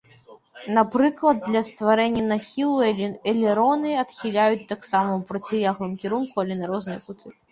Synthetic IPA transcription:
napɾɨklˠɐd̪̚ːlʲɐst̪vaɾɛnʲːɐnaxʲilˠuɛlʲɛɾɔnɨɐt̪xʲilʲajut͡sʲt̪ːaksamɐupɾɐt͡sʲijʲaɣlˠɨmkʲiɾunkuɐlʲɛnɐɾɔznɨjɐkut̪ɨ

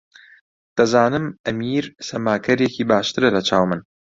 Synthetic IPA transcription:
d̪̥ɐzaːnɨmɐmiːɾsɐmaːkʰɐɾjeciːbaːʃt̪ɨɾɐlɐt͡ʃʰaːwmɨn

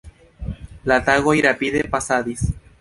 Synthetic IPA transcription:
lat̪aɣojɾapiðepasaðis

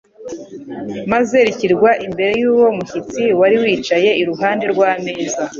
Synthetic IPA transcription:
maze̞ɾiciɾɡwaʔimbe̞ɾe̞juːwo̞muçit͡siwaɾiwiːt͡ʃaje̞iɾuɦaːnde̞ɾɡwaːmeːza

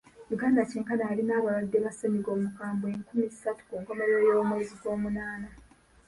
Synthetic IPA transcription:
juɡaːndaceːŋkanaːlinaːβaladːe̞βasemiɡo̞ːmukaːmbweŋkumizisatu̥kuɡamalejomeiziɡo̞ːmunaːna

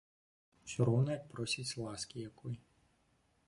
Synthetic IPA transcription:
t͡ʃʲɔɾɔwnɐjɐk̚pɾɔsʲit͡sʲlˠɑskʲijɐkɔj

